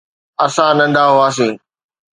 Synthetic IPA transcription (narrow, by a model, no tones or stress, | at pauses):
ɐsãnɐ̃nd̪aːɦoaːs̬ĩː